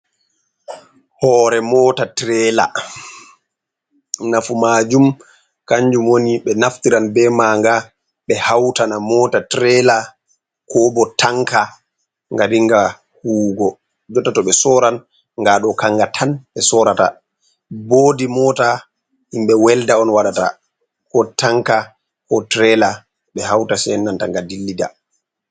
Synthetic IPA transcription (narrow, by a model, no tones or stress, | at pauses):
hɔːɾɛmɔtatɾɛːla̰ | nafumaːd͡ʒum | kaɲd͡ʒumwoniɓɛnaftiɾanbɛmaːŋɡa | ɓɛhawtanamɔːtatɾɛla | kɔbɔtʰaŋka | ŋɡadiŋɡa | huːɡɔ | d͡ʒɔtːatɔɓɛsɔɾan | ŋɡaɗɔkaŋɡatʰanɓɛsɔɾata̰ | boːdimɔta | himɓɛwɛldaɔnwaɗata̰ | kɔtaŋka | kɔtɾɛla | ɓɛhawtasɛnːanta̰ŋɡadilːida̰